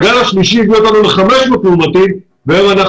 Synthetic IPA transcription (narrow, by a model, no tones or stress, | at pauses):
ɡalaʃliʃiiɡjio̞t̪anuleχameʃmoklumat̪im | veemana